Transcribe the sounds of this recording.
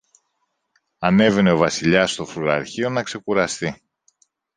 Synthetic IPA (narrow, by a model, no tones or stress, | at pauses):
ɐne̞ve̞ne̞o̞vɐsiʎɐst̪o̞fɾuɾɐɾçio̞nɐkse̞kuɾɐst̪i